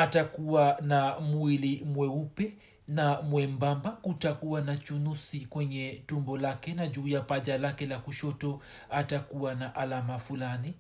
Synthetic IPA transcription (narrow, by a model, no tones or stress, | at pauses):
atakuwanamuilimwɛupɛ | namwɛmbambakutakuwanat͡ʃunusikwɛɲɛtumbɔlakɛnaʄuːjapaʄalakɛlakuʃɔtɔ | atakuwanaʔalamafulani